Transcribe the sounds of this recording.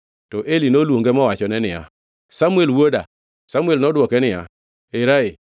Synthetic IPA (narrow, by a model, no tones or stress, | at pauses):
tɔʔelinolwoŋɡemɔwat͡ʃɔnɛnɪja̰ | samuelwoda | samwelnɔdwɔkɛnɪja̰ | eɾaɪ